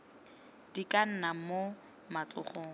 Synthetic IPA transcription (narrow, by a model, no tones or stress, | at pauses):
dikan̩namo | mat͡ɬʊχoːŋ̩